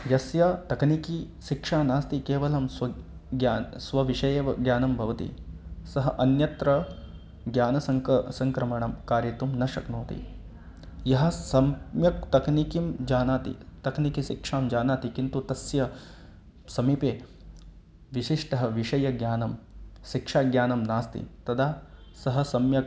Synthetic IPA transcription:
jɐsjat̪ɐkniki | ʃikʂaːnaːst̪ikeːʋɐlɐmsʋɐ | sʋɐʋiʂɐjɐɡjaːnɐmbʱɐʋɐt̪ḭsɐɦɐʔɐnjɐt̪ɾɐ | ɡjaːnɐsɐsɐŋkɾɐmɐɳɐmkaːɾjɐt̪umnɐʃɐknoːt̪ḭ | jɐɦɐ̆sɐmjɐk̚t̪ɐknikimd͡ʒaːnaːt̪ḭt̪ɐknikiʃikʂaːmd͡ʒaːnaːt̪ikint̪ut̪ɐsjɐ | sɐmipeː | ʋiʃiʂʈɐɦɐʋiʂɐjɐɡjaːnɐmʃikʂaːɡjaːnɐmnaːst̪ḭt̪ɐd̪ʰaːsɐɦɐ̆sɐmjɐk̚

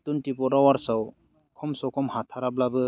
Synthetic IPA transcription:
tuntipɔɾawaɾsaw | kʰɔmsɔwkʰɔmhatʰaɾablabɯ

